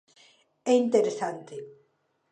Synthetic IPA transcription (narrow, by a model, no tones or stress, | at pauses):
eint̪eɾesant̪e